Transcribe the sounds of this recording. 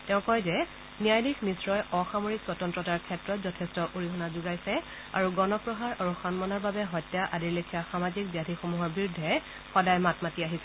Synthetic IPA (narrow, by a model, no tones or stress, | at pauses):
tɛʊ̃kɔjzɛ | niajdiknisɹɔjɔxamoɹikswɔtɔntɹɔtaɹkʰɛtɹɔtzɔtʰɛstɔʔuɹiɦɔnazuɡajsɛ | a̰ɹuɡɔnɔpɹɔɦaɹaɹuxanmɔnɔɹbabɛɦɔjtːjaʔadiɹlekʰijaxamazik̚bijadʰʱixomuɦɔɹbiɹʊdʱːɛ | xɔdajmatmatiaɦisɛ